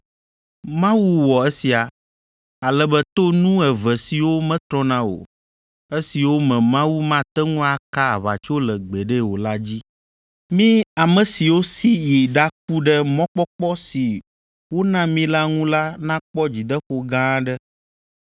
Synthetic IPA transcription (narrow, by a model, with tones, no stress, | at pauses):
mã˦wu˦wɔ˨ɛ˦si˨a˨ | a˨lɛ˦bɛ˦t̪o˦nũ˦ɛ˨vɛ˨si˨wo˦mɛ̃˦t̪ɾɔ̃˦nã˦wo̰˨ | e˦si˨wo˦mɛ̃˨mã˦wu˦mã˦t̪ɛ˦ŋũ˦a˨ka˦a˨βa̰˨t͡ʃo˦lɛ˨ɡ͡bɛ˨ɖɛ˦wo˨la˦d͡ʑi˦ | mĩ˦a˨mə̃˨si˨wo˦si˦ji˨ɖa˦k̚u˦ɖɛ˦mɔ̃˦k͡pɔ˦k͡pɔ˦si˨ | wo˦nã˦mĩ˦la˦ŋũ˦la˦nã˦k͡pɔ˦d͡ʑi˨d̪ə˦xo˦ɡã˦ɖɛ˦